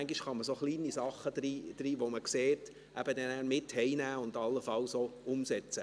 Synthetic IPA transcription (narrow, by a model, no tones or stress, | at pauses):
æŋɡiʃχɑməsoχliːnisɑχəd̥ɾiːd̪̥ɾiːʋoməkseːt | ʔæb̥ədɛnæːɾmɪthɛɪnæːʊnd̥ɑlːəfɑwsoʊmsɛt͡sə